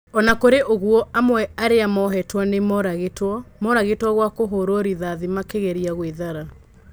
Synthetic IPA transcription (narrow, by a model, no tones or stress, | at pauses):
ɔnakoɾeʔoɣwɔamwɛaɾeamɔːɦɛtwanemɔɾaɣetwɔmoɾaɣetwɔɣwakoɦoɾoɾiðaðimakeɣeɾiaɣweðaɾa